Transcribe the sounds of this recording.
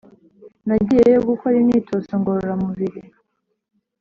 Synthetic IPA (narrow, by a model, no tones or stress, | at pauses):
naɟijejoɡukʰoɾinitʰosoŋɡoɾoɾamuβiɾi